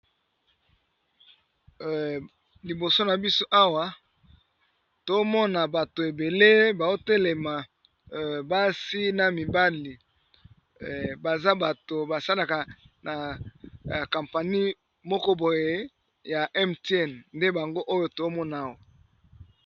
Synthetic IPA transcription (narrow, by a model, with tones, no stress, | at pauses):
li˨bo˨so˦na˨bi˦so˦ʔa˦wa˦ | to˨˦mɔ˦na˨ba˨to˨e˨be˨le˦ba˨o˦te˦le˨ma˨ | ba˦si˦na˨mi˨ba˦li˨ | ba˨za˦ba˨to˨ba˨sa˦la˨ka˨na˨ | ka˨mpa˨ni˦ | mɔ˦kɔ˦bo˨je˦ | ja˨ʔɛ˦mtɛ˦˨nnde˦ba˨ŋɡo˦ʔo˦jo˦to˨˦mɔ˦na˨wa˨